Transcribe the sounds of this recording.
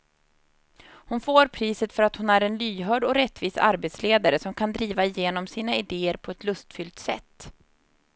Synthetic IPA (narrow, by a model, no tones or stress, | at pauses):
hʊnfoːɾpʰɾiːsət̪fœɾat̪hʊnæɾɛnlyːɦœːɖɔɾɛt̪ːviːsa̰ɾbeːt̪sleːd̪aɾəsɔmkʰand̪ɾiːvaɪjeːnɔmsiːnaɪd̪eːəɾpʰɔɛt̪lɵst̪fʏlt̪sɛ̰t̪ː